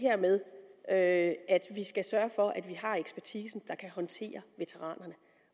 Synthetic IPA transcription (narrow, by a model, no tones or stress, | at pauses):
ɦæɐ̰meðˠʔøæd̥ʋisɡ̥æsɶːɐfɒ̽ʔæd̥ʋiɦɑ̈eɡ̥sb̥æɐt͡sʰiːsn̩d̥ɑ̈kʰæɦɒ̽nt͡sʰe̝̰ːɐʋe̝t͡sʰeʁɑ̰ːnɐnə